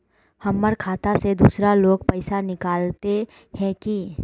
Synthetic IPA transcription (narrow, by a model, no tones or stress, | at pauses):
hɐmːəɾkʰaːt̪ased̪uːsɾaloːɡpəɪsanɪkaːlt̪e | hɛ̃ki